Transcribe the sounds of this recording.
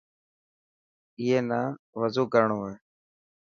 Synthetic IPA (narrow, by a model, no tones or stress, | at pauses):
iːeːnaːʋəzuːkəɾɳoːɦoeː